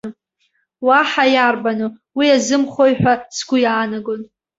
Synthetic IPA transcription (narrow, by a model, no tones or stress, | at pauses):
waħajarbanuwiazɨmχojħʷᶣasɡʷʊjaːnaɡon